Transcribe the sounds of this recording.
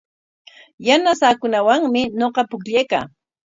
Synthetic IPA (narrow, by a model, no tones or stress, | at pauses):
janasaːkʊnawaŋmɪɲoqɑpʊkʎejka̰ː